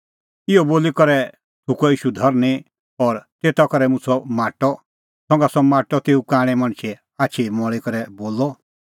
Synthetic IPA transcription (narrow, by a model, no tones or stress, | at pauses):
ɪɔboːlikɔɾɛ | t̪ʰukɔiːʃud̪ʱɐɾni | ɔɾt̪eːt̪akɔɾɛmʊ̃t͡sʰɔmaːʈɔ | sɔ̃ŋɡasɔmaːʈɔt̪eːukãːɽ̃ɛmɐɽ̃t͡ʃʰi | aːt͡ʃʰimɔɭikɔɾɛboːlɔ